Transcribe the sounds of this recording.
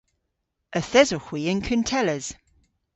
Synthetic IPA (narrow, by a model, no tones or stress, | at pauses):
əθɛzoxwiːə̃nkʰəntʰɛləz̥